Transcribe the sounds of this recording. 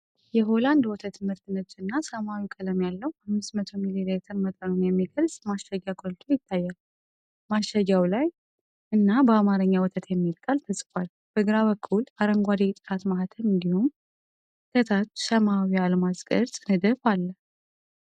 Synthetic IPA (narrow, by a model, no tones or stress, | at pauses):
jɛɦoland̪wɔt̪ʰət̪mɨɾt̪ʰɨnɨt͡ʃʼːɨnːasəmawikʼələmjalːəwhamːɨsmət̪ʰo̞mililet̪ʰəɾmət̪ʼənunjɛmːiɡəɾzmaʃaɡakʼolt̪ʰo̞jɪt̪ʰːajːal | maʃaɡawlaj | ʔɨnːabəamaɾɨɲːawɔt̪ʰət̪jɛmːilkʼalt̪ʰəsʼkʷʼal | b̥əɡɨɾaβəkʰːulaɾəŋɡʷad̪it̪ʼɨɾʰat̪maɦat̪ʰənɨnd̪ihum | k̪ʰət̪ʰat̪səmawialəmaskʼə̰ɾzʼɨnɨd̪əfalːə